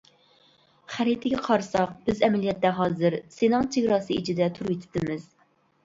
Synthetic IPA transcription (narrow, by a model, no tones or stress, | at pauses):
χæɾit̪ʰɪɡʲɛqʰɑɾsɑqb̥ɪzɛmɪljɛt̪ːɛɦɑːzɨɾsenɪŋt͡ʃʰiɡɾɑːsɨit͡ʃʰid̪ɛt̪ʰuɾit̪ʰɪ̥t̪ɪmɪz̥